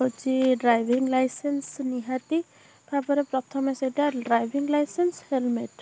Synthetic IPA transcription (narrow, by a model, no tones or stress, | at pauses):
ot͡ʃiɖɾajʋʱiŋɡlajsensniɦat̪i | pʰabɔɾepɾɔt̪ʰɔmeseʈaɖɾajbʱiŋɡlajsenshelmeʈ